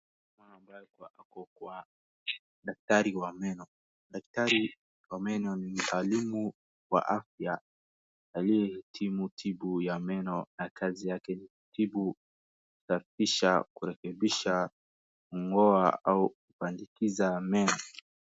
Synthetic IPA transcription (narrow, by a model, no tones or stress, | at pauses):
maambajɛkuwaʔakɔkuwa | ɗak̚taɾiwamɛnɔ | ɗak̚taɾi | wamɛnɔnim̩alimu | wa̰ʔafja | alijɛhɛtʰimutʰiɓujamɛnɔnakʰazijakɛni | tibu | ku̥safiʃakuɾɛkɛɓiʃa | uŋɡɔaaukupandikizamɛnɔ